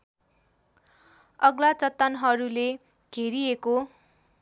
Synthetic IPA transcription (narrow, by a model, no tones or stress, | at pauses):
ʌɡlat͡sʌt̪ːanɦʌɾule | ɡ̥ʱeɾieko